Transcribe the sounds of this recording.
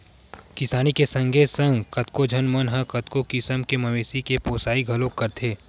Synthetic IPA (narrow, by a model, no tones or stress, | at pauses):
kɪsaːnikesɐ̃ŋɡʱesɐ̃ŋɡkɐt̪kod͡ʒʱɐnmɐnɦɐ̃kɐt̪kokɪsəmkemɐʋeːsikepoːsaːiɡʱɐlokːɐɾt̪ʰeː